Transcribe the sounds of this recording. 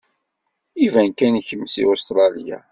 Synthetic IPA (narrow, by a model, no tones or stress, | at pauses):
ivænkænçəmːsḭost̪ɾˤɑlija̰